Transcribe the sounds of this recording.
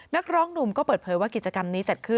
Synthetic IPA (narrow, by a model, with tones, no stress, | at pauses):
na˦˥k̚ɾɔː˦˥ŋnu˧mkɔː˥˩pɤː˨˩t̪̚pʰɤː˩˦jwaː˥˩ki˨˩t̪̚t͡ɕa˧ka˧mniː˦˥t͡ɕa˨˩t̪̚kʰɯ˥˩